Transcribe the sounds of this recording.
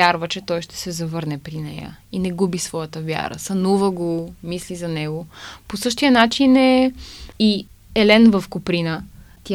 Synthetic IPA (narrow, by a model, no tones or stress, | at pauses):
jaɾvət͡ʃɛt̪ɔjʃt̪ɛ̥sɛzɐvɤɾnɛpɾinɛ̰jə̰inɛɡubisvɔjət̪əvja̰ɾə̰sɐnuvəɡomislizɐnɛɡoposɤʃt̪ijənat͡ʃinɛ | i | ɛlɛnvəfkʊpɾinət̪ʲ